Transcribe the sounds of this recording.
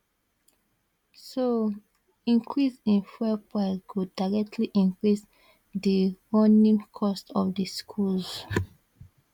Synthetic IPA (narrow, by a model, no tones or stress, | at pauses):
so | ĩŋkʰɹisĩnfɛpakudaɹɛk̚tʰliʔĩŋkɹis | dəwɔnĩŋkʰɔstɔfdəskʰulz